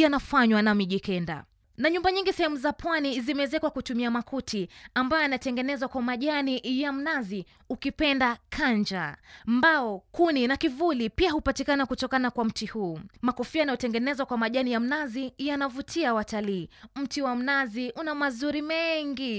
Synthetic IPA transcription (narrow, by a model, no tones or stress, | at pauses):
janafaɲwanamiʄikɛnda̰ | naɲumbaɲiŋɡisɛhɛmuzapwanizimɛzɛkwakutumiamakʰutʰiambajɔjanatɛŋɡɛnɛzwakwamaʄanijam̩nazi | ukipɛndakʰaɲd͡ʒambaɔkuninakivulipiahupatikanakutɔkanakwam̩tihuːmakɔfianajɔtɛŋɡɛnɛzwakwamaʄanijam̩nazijanavutʰiawataliːm̩tiwam̩naziʔunamazuɾimɛŋɡi